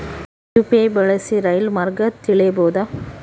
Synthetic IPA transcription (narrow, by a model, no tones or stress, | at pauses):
upeːbɛɭɐsiɾɐjlmɐɾɡɐt̪ːɪɭeboːd̪ɐ